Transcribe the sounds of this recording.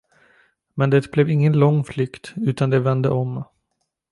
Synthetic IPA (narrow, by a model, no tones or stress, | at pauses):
mɛnd̪ɛt̪blɛvɪŋːənlɔŋːflʏkt̪ʉ̟ːt̪and̪ɛvɛnd̪ə̰ʔɔm